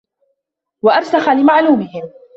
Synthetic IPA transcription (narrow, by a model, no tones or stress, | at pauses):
waʔaɾsaxalɪmaʕluːmɪhɪm